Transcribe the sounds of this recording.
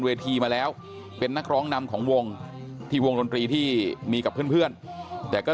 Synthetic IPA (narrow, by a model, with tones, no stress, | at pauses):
nweː˧t̪ʰiː˧maː˧lɛː˦˥w | pe˧nːa˦˥k̚ɾɔː˦˥ŋna˧mkʰɔː˩˦ŋwo˧ŋt̪ʰiː˧wo˧ŋdo˧nt̪ɾiː˧t̪ʰiː˥˩miː˧ka˨˩pʰːɯ˥˩ənpʰɯ˥˩ənt̪ɛː˨˩kɔː˥˩